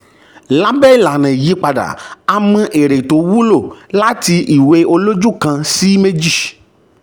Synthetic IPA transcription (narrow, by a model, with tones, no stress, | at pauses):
la˦bɛ˦˨la˨nã˨ji˨˦k͡pa˧da̰˨a˧mũ˧ʔe˨ɾe˨to˨˦wu˦lo˦˨la˦ti˧ʔi˨we˧˦o˧lo˦d͡ʒu˦˨kã˧si˦me˦d͡ʒi˦˨